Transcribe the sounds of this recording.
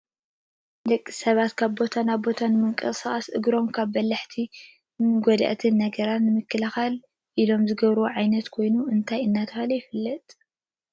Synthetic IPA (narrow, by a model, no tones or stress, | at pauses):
d̪ɐkʼːi̥sɐβat̪kʰaβbo̞t̪ʰanaβbo̞t̪ʰanɨmɨŋkʼɐsaxɐsʔɨ̰ɡɾo̞mkʰaβːɐlɐħt̪ʰi | ɡɔd̪ɐ̰ʔt̪ʰɨnːɐɡɐɾat̪nɨmɨkːɨlɐxal | ʔilo̞mzɨɡɐβɾɨwoʕajnɐt̪kʰo̞jnuʔɨnt̪ʰajɨnːat̪ʰɐxɐlɐjɪfɨlːɐt̪ʼ